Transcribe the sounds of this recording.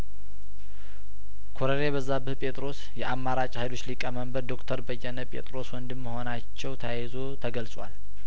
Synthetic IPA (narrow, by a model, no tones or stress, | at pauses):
kʰoɾənebəzːabɨhpʼe̞t̪ʼɾo̞s | jɛʔamːaɾat͡ʃʼhajlo̞t͡ʃːlikʼəməmbəɾd̪o̞kt̪ʰəɾbəjːɛnəpʼe̞̰t̪ʼɾo̞swɔnd̪ɨmːəho̞nat͡ʃːɛwt̪ʰajɛzo̞t̪ʰəɡəlsʼwa̰l